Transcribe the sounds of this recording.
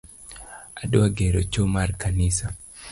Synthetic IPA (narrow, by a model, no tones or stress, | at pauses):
aduaɡeɾot͡ʃomarkanisa